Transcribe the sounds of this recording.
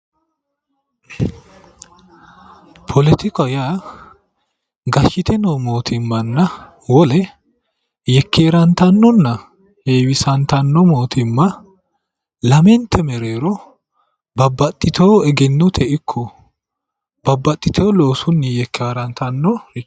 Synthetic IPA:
pʰɔlɛt̪ɪkɔja | ɡɐʃːɪt̪ʰɛnomoːt̪ʰɪmːɐnːɐ | wɔlɛ | jɛkʰːeːɾɐnt̪ɐnːɔnːɐ | heːwɪsɐnt̪ɐnːɔmo̞ːt̪ɪmːɐ | lɐmɛnt̪ʰɛmɛɾeːɾɔ | bɐbːɐt̪ʼːɪt̪ʰoːɛɡɛnːɔt̪ʰɛʔɪkʰːɔ | bɐbːɐt̪ʼːɪt̪ʰoːloːsʊnːɪjɛkːaːɾɐnt̪ɐnːɔ

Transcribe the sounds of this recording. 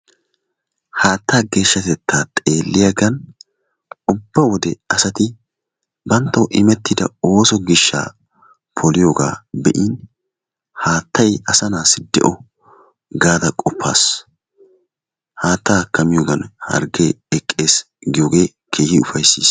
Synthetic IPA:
haːt̪ːaːɡe̞ːʃːɐt̪ɛt̪ːaːt̪ʼe̞ːlːɪjaɡɐn | ʊbːɐwɔd̪ɛɐsɐt̪ɪ | bɐnt̪ːɔʔɪmɛt̪ːɪd̪ɐ̰o̞ːsɔɡɪʃːa̰ː | pʰɔlɪjoːɡa̰ːbɛʔiːn | haːt̪ːɐjɐsɐnaːsɪd̪ɛ̰ʔɔ | ɡaːd̪ɐkʼɔpʰːa̰ːs | haːt̪ːaːkɐmɪjoːɡɐnhɐ̰ɾɡeɛkʼːe̞ːs | ɡɪjoːɡe̞ː | kʰe̞ːhɪʊfɐjsːiːs

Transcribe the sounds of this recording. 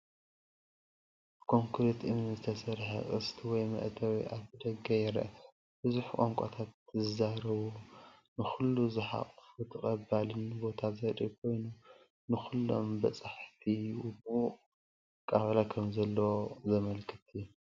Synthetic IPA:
kʰo̞ŋkʰɨɾet̪ʔɨmnɨzɨt̪ʰɐsɐɾħɐ̰ʔʼɨ̰st̪ʰiwɔjmɐ̰ʔt̪ʰɐwḭʔaβzɨd̪ɐɡajɛɾɐ̰ | b̥ɨzuħkʼo̰ŋkʷʼa̰t̪ʰat̪zɨzaɾɐβunɨxulːuzɨħa̰qʼfut̪ʰɨkʼɐbalɨnbo̞t̪ʰazɐd̪ʼikʰo̞jnu | nɨxulːo̞̰mbɐt͡sʼaħt̪ʰiwubu | kʼaβɐlakʰɐmzɐlːɐwozɐmɐlkʰɨt̪ʰɨjːu

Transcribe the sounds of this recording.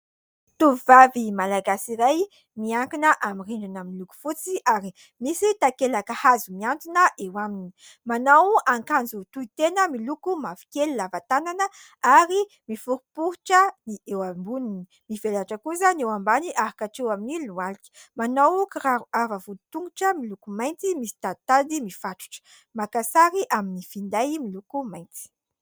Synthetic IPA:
t̪uvivavimalaɡasiɾaj | miaŋkinəʔamiriɳɖ͡ʐanamiluku̥fut͡siʔaɾi | misit̪akelakəhazumiant̪inəʔewamini̥ | manawaŋkand͡zut̪uit̪enəmilukumafi̥kelilavat̪ananə | aɾi | mifuɾupuɾuʈ͡ʂəniʔewambunini | mivelaʈ͡ʂəkusənewambaniʔaɦakaʈ͡ʂewaminilualiki̥manawkiɾaavavut̪uŋɡuʈ͡ʂəmilukumajnt͡simisi̥t̪ad̪t̪ad̪imifaʈ͡ʂu̥ʈ͡ʂə̥ | makasaɾiʔaminifind̪ajmilukumajnt͡si̥

